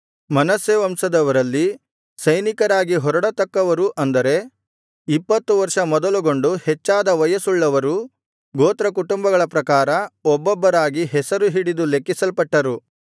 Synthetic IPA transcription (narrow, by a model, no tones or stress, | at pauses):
mɐnɐseːʋɐmsɐd̪ɐʋɐɾɐlːi | sɐjnikɐɾaːɡiɦɔɾɐɽɐt̪ɐkːɐʋɐɾuʔɐnd̪ɐɾe̞ | ipːɐt̪ːuʋɐɾʂɐmɔd̪ɐluɡo̞ɳɖuhɛt͡ʃːaːd̪ɐʋɐjɐsuɭːɐʋɐɾu | ɡoːt̪ɾɐkuʈumbɐɡɐɭɐpɾɐkaːɾɐɔbːɔbːɐɾaːɡiɦɛsɐɾuɦiɽid̪ulekːisɐlpɐʈːɐɾu